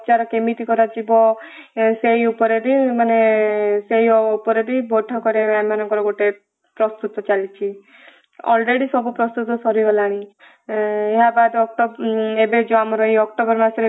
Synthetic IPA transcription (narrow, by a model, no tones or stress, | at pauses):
t͡ʃaɾɔkemiʈ̪ikɔɾad͡ʒibɔ | seiupɔɾebimaneseɦiɔupɔɾebibʱoʈʰɔkɔɾebamanɔŋkɔɾɔɡoʈe | pɾɔst̪ut̪ɔt͡ʃalit͡ʃʰi | ɔ̰lɾeɽisɔbupɾɔst̪ut̪ɔsɔɾiɦɔlaɽ̃i | eɦabad̪ɔk̚ʈɔbebed͡ʒoamɔɾɔɦiɔk̚ʈɔbɔɾmasɔɾe